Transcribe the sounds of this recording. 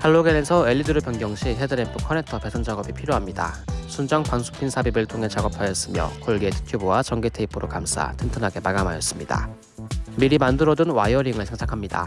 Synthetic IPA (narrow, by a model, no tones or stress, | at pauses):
hʰaɭːoɡenesʰʌe̞ʎːidɯɾɯpjʌŋɡjʌŋɕʰiɦedɯɾempʰɯkʰʌne̞tʰʌpe̞sʰʌnd͡ʑaɡʌbipʰiɾjoɦamɲida̰sʰund͡ʑʌŋpansʰu̥pʰinsʰabibɯɭtʰoŋɦe̞t͡ɕaɡʌpʰajʌs͈ɯmjʌ̰koɭɡietʰɯ̥tʰjobuwat͡ɕʌŋɡetʰe̞ipʰɯɾokams͈ʰa̰tʰentʰɯnɦaɡe̞paɡamajʌs͈ɯ̥mɲida̰ | miɾimandɯɾʌdunwajʌɾiŋɯɭsʰeŋsʰakʰamɲida̰